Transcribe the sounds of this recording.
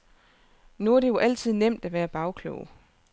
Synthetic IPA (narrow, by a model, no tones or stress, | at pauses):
nuɐɾ̥e̝jo̝ʔæl̰t͡sʰið̞̰ˠnem̰d̥æʋæːɐb̥ɑ̈ʊkʰlo̰ʊ